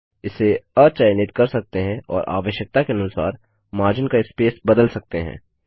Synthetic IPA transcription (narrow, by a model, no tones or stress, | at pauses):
ɪsːeɐt͡ʃaːjɪnɪt̪kɐɾsɐk̚t̪eɦɛ̃ɔ̰ːɾʔa̰ːʋəʃjək̚t̪akeɐnʊsa̰ːɾ | maːɾd͡ʒənkaɪspeːsbɐd̪əlsɐk̚t̪eɦɛ̰̃ː